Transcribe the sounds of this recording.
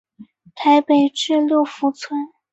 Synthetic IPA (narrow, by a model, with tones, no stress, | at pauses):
t̪ʰa˧˥ɪpe˨˩ɪʈ͡ʂɻ̩˥˧lu˥˩fu˧˥t͡sʰwə˥n